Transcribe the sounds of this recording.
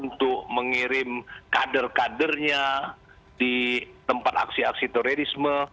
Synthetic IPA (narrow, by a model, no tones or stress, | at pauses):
unt̪ʊk̚məŋiɾɪmkadərkadərɲa | dit̪əmpat̪a̰ksiaksit̪oɾeɾismə